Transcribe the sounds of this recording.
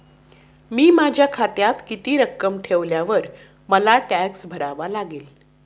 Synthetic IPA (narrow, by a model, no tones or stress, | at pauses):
miːmad͡ʑʱjakʰat̪jat̪kit̪iːɾəkːəmʈʰeʋljaʋəɾ | məlaʈæksbʱəɾaʋalaɡeːl